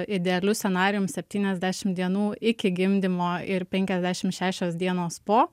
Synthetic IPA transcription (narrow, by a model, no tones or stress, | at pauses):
ɪd̪ʲɛɛlʲʊsʲɛnɑːɾʲɪjʊmsʲɛpʲt̪ʲiːnʲɛzʲd̪ʲæːʃʲɪmd̪ʲiɛnuːɪkʲɪɡʲɪmʲd̪ʲɪmoːɪɾpʲɛŋʲkʲɛzʲd̪ʲæːʃʲɪmʃʲæːʃʲoːsd̪ʲiɛnoːspoː